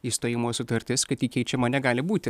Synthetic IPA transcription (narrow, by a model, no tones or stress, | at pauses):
iːst̪oːjɪmoːsʊt̪ɐɾʲt̪ʲɪskɐt̪ʲiːkʲɛɪt͡ʃʲɛmɐnʲɛɡɑːlʲɪbuːt̪ʲɪ